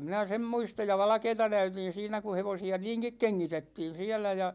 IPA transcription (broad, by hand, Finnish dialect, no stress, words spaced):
minæ sem muistɑj jɑ ʋɑlɑ̆keːtɑ næytin̞ siːnæ ku heʋosiɑ niːŋkik keŋːitetːiːn̞ siælæ jɑ